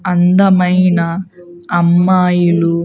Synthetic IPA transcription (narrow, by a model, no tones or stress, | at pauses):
ɐnd̪ɐmɐjnɐː | mːaːjulu